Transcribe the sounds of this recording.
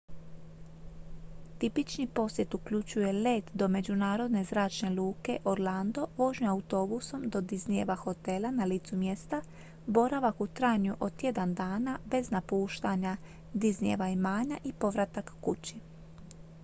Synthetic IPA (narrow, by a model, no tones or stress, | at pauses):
t̪ipit͡ʃnipo̞sje̞t̪ukʎut͡ɕuje̞le̞ːt̪d̪o̞me̞d͡ʑunaːɾo̞d̪ne̞zɾaːt͡ʃne̞luːke̞ʔo̞ɾlˠand̪o̞ʋo̞ʒɲoaut̪o̞buso̞md̪o̞d̪iznije̞ʋaxo̞t̪e̞lˠanaliːt̪sumje̞st̪a | bo̞ɾaʋakut̪ɾaːɲuʔo̞t̪je̞d̪and̪aːnabe̞znapuːʃt̪aɲa | d̪iznijḛʋaimaːɲaʔipo̞ʋɾat̪akːut͡ɕi